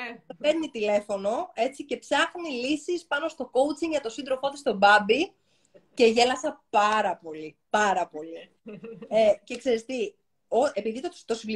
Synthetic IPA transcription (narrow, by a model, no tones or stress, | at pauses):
peɾnit̪ile̞fo̞no̞e̞t͡sice̞psɐxnilisispɐno̞st̪o̞ko̞ut͡siŋɡʝɐt̪o̞sind̪ɾo̞foot̪ist̪o̞bɐbi | ce̞ʝe̞lɐsɐpɐɾɐpo̞lipɐɾɐpo̞li | ece̞kseɾest̪i | oepiðit̪ot̪o̞sivli